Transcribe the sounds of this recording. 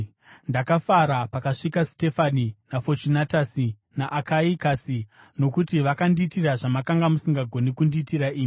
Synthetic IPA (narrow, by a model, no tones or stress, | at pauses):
ndakafaɾapakaʂikaste̞faninafot͡ʃinatasi | naʔakaikasi | no̞kutiʋakandiːtiraʐamakaŋɡamusiŋɡaɡʱo̞nikundiːtiɾaʔiːmi